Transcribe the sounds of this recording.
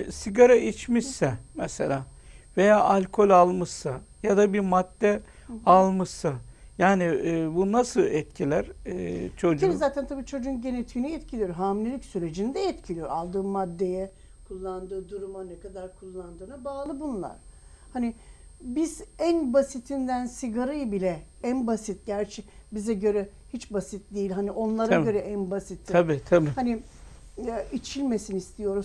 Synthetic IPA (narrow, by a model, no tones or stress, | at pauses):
siɡaɾait͡ʃmisːɛmɛselʲaː | ve̞jaːʔalʲkʰo̞lʲalˠmɯʃsajad̪abiɾmad̪̥ːɛ | alˠmɯʃsajaːnibunasɯlˠɛt̪̚cʰilʲæɾt͡ʃʰo̞d͡ʒuizaːt̪ʰænt̪ʰabiːt͡ʃʰo̞d͡ʒunɟe̞net̪ʰiːniɛt̪cʰilʲijoɾɦaːmilʲelʲicsyɾe̞d͡ʒind̪ɛɛt̪cʰilʲijoɾalˠd̪ɯːmːad̪ːe̞jɛ | kʰulˠːand̪ɯːd̪uɾumanɛkad̪aɾkʰulˠːand̪ɯːnabaːlˠɯbunlˠa̰ɾ̥ | haniɪ | bizænbasit̪ʰind̪ænsiɡaɾɯjbilʲɛ | ænbasit̪̚ɟæɾt͡ʃʰɛbizɛɟø̞ɾɛ | hit͡ʃbasit̪̚d̪ejilʲɦaniʔo̞nlˠaɾaɟø̞ɾɛʔænbasit̪ʰːabit̪ʰabihani | it͡ʃʰilʲme̞sinist̪ʰijo̞ɾuz